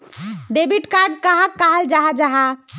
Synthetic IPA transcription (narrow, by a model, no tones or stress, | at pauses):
ɖebiʈkaɾɖ̚kaɦakːaɦəld͡ʒaɦad͡ʒaɦa